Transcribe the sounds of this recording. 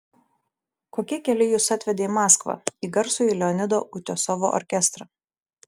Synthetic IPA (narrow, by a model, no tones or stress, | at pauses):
koːkʲiɛkʲɛlʲɪjʊsɐt̪ʲʋʲɛd̪ʲeːimɑːskʋɐ̰iːɡɐɾsuːilʲɛɔnʲɪd̪oːʔʊt̪ʲoːsɔʋo̰ːʔɔ̰ɾʲkʲɛst̪ɾɐ